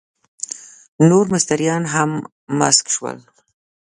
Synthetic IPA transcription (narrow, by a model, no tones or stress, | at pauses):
noɾmʊst̪aɾjɑnɦamː | a̰skʃwə̰l